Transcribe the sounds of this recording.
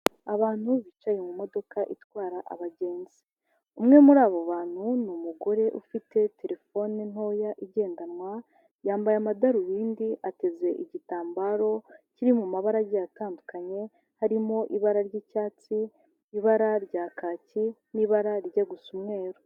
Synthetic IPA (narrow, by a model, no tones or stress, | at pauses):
aβaːn̥huβit͡ʃajemumo̞do̞kaʔitwaːɾaʔa̰βaɟe̞ːnzi | umŋe̞muɾaːβo̞βaːn̥hunumuɡo̞ɾe̞ʔufite̞te̞ɾe̞fo̞nen̥o̞ːjaʔiɟe̞ːndanŋwa | jaːmbajamadaɾujiːndiʔate̞ze̞ʔiɟitaːmbaɾo̞ciɾimumaβaɾaɡejataːndukaɲe̞ | haɾimo̞ʔiβaɾaɾɟiːcaːt͡siː | βaɾaɾɟaːkaːciniβaɾaɾɟaɡusumŋe̞ːɾo